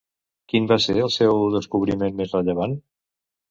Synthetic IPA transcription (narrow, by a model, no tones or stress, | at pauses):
kimbaseɾəlˠsɛwðəskuβɾimenmezrəʎəβ̞an